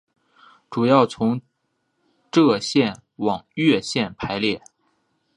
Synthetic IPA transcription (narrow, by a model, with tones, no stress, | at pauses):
ʈ͡ʂu˨˩jɑ˥˩ʊt͡sʰʊ˧˥ŋ | ʈ͡ʂɤ˥˧ɕjɛ˥˩n | wɑ˨˩ŋɥɛ˥˧ɕjɛ˥˩npʰa˧˥ɪljɛ˥˩